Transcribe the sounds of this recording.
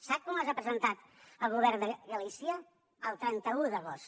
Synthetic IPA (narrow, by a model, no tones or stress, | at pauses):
sak̚kumazapɾəzənt̪at̪ | əlˠɣuβɛrnd̪əɣəlisiəː | lˠt̪ɾɛnt̪əuðəɣost̪